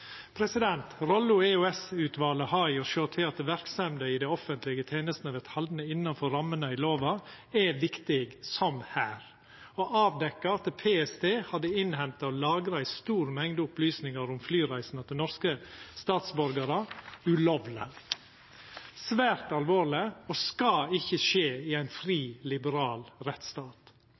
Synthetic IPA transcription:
pʰɾɛsɪd̪ɛnt̪ɾɔlʊeʉɛsʉːt̪ʋɑːləhɑɪɔʃoːt̪ʰɪɑt̪̚d̪əʋæɾksɑmd̪əɪd̪ɛɪɔfənt̪lɪɡət̪ʰeːnəst̪nɑʋɛt̪hɑld̪nəɪnːɑnfɔɾɑmːənəɪloːʋɑ | ɛʋɪkt̪ɪɡsɔmhæːɾ | ɔʔɑːʋd̪ɛkːɑɑt̪̚ːɛpʰeːɛsd̪eːhɑd̪ːəɪnhɛmt̪ɑɔlɑːɡɾɑɪst̪uːɾmɛŋd̪əʊplyːsnɪŋɑɾʊmflyːɾæɪsnɑt̪̚d̪ɛnɔɾskəst̪ɑːt̪sbɔɾɡɑɾɑʉlɔʋlə̰ | sʋæːɾt̪ɑlʋoːɾɭlɪɔskɑɪçəʂeːɪæɪnfɾiːlɪbəɾɑːlɾɛt̪st̪ɑːt̪

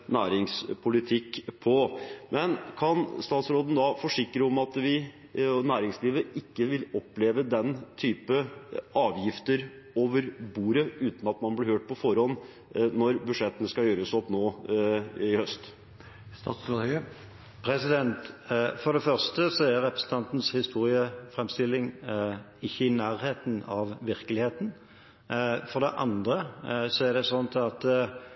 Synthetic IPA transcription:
næːɾɪŋspʰʊlɪt̪ʰɪkːpʰɔmʔɛnkʰɑnst̪ɑːt̪sɾoːd̪nəd̪ɑfɔʂɪkːɾəɔmɑt̪ʋɪ | næːɾɪŋsliːʋəʔɪkːəʋɪlɔpːleːʋəd̪ɛnt̪ʰyːpəɑːʋjɪft̪əɾ | oːʋəɾbuːɾəʉːt̪n̩ɑt̪mɑnblɪɾhøːʈ̚pɔfɔɾhɔnː | nɔɾbʉʂɛt̪ːənəskɑjøːɾəsɔpnoː | ɪhœst̪ | st̪ɑ̰ːt̪sɾɑhœ | pʰɾɛsɪd̪ɛnt̪fɔɾɖ̪ɛfœɾst̪əsɔæɾɛpɾəsn̩t̪ɑnt̪n̩shɪst̪uːɾɪəfʁɛmst̪ɪlːɪŋ | ɪçːəɪnæːɾheːt̪n̩ɑʋʋɪɾkəlɪheːt̪n | fɔɾɖ̪ɛ̰ʔɑ̰nd̪ɾəsɔæɖɛsɔnːt̪ʰɪɑt̪

